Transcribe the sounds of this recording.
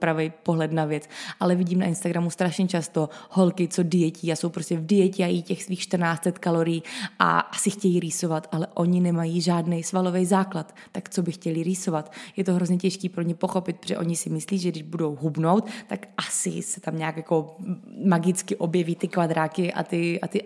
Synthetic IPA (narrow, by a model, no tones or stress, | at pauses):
pɾavɛjpoɦlɛt̪navjɛt͡sʔalɛvɪɟiːmna̰ʔɪnst̪aɡɾamust̪ɾaʃɲɛt͡ʃast̪oho̞lkɪt͡sodɪjɛciːaso̞wpɾoscɛvdɪjɛcɪajiːcɛxsviːxʃt̪rnaːt͡st̪lɛt̪kalo̞ɾɪjiːʔa̰ʔasɪxcɛjiːɾiːso̞vat̪ʔalɛʔo̞ɲɪnɛmajiːʒaːdnɛjsvalo̞vɛjzaːklat̪ːakt͡sobɪxcɛlɪɾiːso̞vat̪jɛt̪oɦɾo̞zɲɛcɛʃkiːpɾoɲɛpo̞xo̞pɪt̪̚pʒɛ̰ʔo̞ɲɪsɪmɪsliːʒɛɡdɪʒbudo̞wɦubno̞wt̪t̪akʔasɪ̰sɛ̥t̪amɲaːkjako̞maɡɪt͡skɪʔo̞bjɛviːt̪ɪkvad̪ɾaːkɪʔa̰t̪ɪʔa̰t̪ɪ